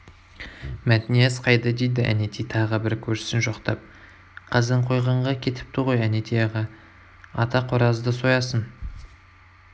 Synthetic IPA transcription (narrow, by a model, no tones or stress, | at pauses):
mæt̪ɪnijezqʰɑjd̪ɑd̪ejd̪ɪʔæ̰net̪ʰijt̪ʰɑʁəbɪɾkʲʰɵɾʃɪ̥sɪnʒoqt̪ɑp̚ | qʰɑzɪɴqʰo̞jʁɑɴʁɑkʲʰe̞t̪ʰɪ̥p̚t̪ʰuʁojænet̪ʰijɑʁɑ | ɑt̪ɑqʰoɾɑzd̪əso̞jɑsən